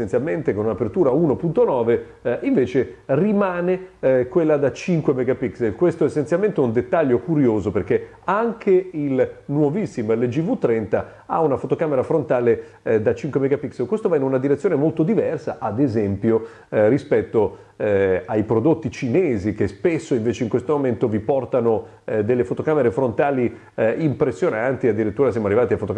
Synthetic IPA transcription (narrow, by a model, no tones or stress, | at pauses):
sent̪sjalment̪ekonunapert̪uːɾauːnopunt̪onɔːve | ʔiɱveːt͡ʃerimaːnekwelːad̪at͡ʃiŋkwemeɡapikselkwest̪oesːent̪sjalment̪ɛund̪et̪ːaʎːokuɾjoːzoperke | aŋkʰeilnwovisːimoelːed͡ʒivut̪ːɾɛnt̪a | a̰unafot̪okaːmeɾafɾont̪aːle | d̪at͡ʃiŋkwemeɡapikselkwest̪ovainunad̪iɾet̪sːjoːnemolt̪od̪ivɛrsaʔad̪ezɛmpjo | rispɛt̪ːo | ɛajpɾod̪ot̪ːit͡ʃineːzik̟espesːoiɱveːt͡ʃeiŋkwest̪omoment̪ovipɔrt̪ano | d̪elːefot̪okameɾefɾont̪aːli | impɾesːjonant̪iad̪ːiɾit̪ːuːɾasjamoarːivaːt̪iafot̪oka